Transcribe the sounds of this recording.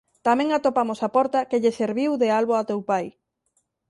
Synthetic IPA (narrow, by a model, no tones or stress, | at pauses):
t̪amɛ̃ŋat̪opamʊsapɔɾt̪ɐkeʎeseɾβiwðealβoat̪ewpaj